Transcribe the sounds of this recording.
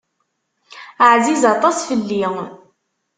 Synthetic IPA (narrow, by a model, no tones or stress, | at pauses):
əʕzizɑt̪ˤɑsfəlːiŋ